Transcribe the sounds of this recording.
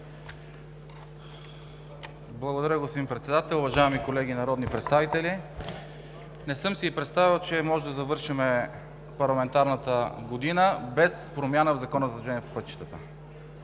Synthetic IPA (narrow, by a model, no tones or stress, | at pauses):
blˠɐɡod̪ɐɾʲjəɡospod̪impɾɛt̪sɛd̪at̪ɛlˠʊvɐʒaɛmikolɛɡinɐɾɔd̪nipɾɛt̪st̪avit̪ɛlʲi | nɛsɤmsiipɾɛt̪st̪avilˠt͡ʃɛmɔʒɛd̪ɐzɐvɤɾʃimɛ | pɐɾlˠɐmɛnt̪aɾnət̪əɡod̪inəbɛspɾomjanəvzɐkɔnəzɐzʒɛniːɛpopɤt̪ːi̥t̪ət̪ə̰